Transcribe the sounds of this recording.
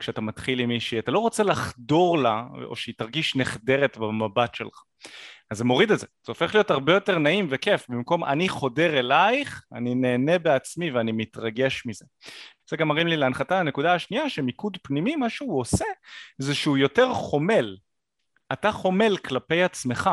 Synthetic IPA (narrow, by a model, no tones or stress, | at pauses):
kʃeatamatχilimiʃiat̪alo̞ʁo̞t͡selaχdo̞ʁlao̰ʃeitaʁɡiʃneχde̞ʁetbemabatʃelχḁ | azːemo̞ʁidelzez̥eo̞fe̞χlijo̞taʁbe̞jo̞te̞ʁnaimvekefbimko̞mʔa̰niχo̞de̞ʁelajχa̰nine̞ːne̞beat͡smiveanimitʁaɡe̞ʃmize̞ | z̥eɡamaʁimlileanχatalane̞kudaaʃniaʃemikudpnimimaʃeuo̞sezeʃeujo̞te̞ʁχo̞me̞l | ataχo̞me̞lklape̞jat͡sme̞χa